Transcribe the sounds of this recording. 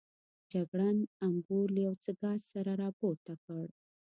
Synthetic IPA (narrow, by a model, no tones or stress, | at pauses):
d͡ʒaɡɽanambuɾlajawt͡səɡɑzsaɾaɾɑpoɾt̪akəɽ